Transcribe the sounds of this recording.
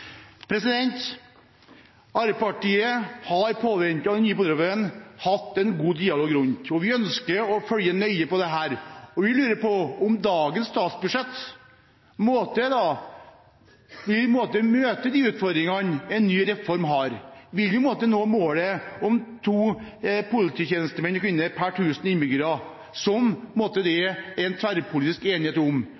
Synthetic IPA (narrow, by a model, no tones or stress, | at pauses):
pʰɾɛsɪd̪ɛnt̪ | ɑɾəpɑʈiːəhɑɾpʰoːʋɛnt̪ɑd̪ɛnyːəpɔd̪ɾɔmənhɑt̪ːɛnɡuːd̪iːɑloːɡɾʊnt̪ɔʋɪœnskəɾɔfœljənœʏəpɔd̪ɛɦæːɾɔʋɪlʉːɾəɾpɔɔmd̪ɑːɡənsst̪ɑːt̪sbʉʂɛt̪ː | moːt̪əd̪ɑ | ʋɪlpmoːt̪əmøːt̪əd̪iːʉːt̪fɔɾd̪ɾɪŋɑnɛnːyːɾɛfɔɾmɦɑːɾʋɪljɪpmoːt̪ənoːmoːləɔmt̪ʰuːpʰʊlɪt̪ʰiːçeːnəst̪əmɛnɔkʰʋɪnːəɾpʰæʈʰʉːsənɪnbɪɡɾɑ | sɔmmɔːt̪əd̪ɛɛnt̪ʰʋæɾpʰʊlɪːt̪ɪskeːnɪheːt̪ʊm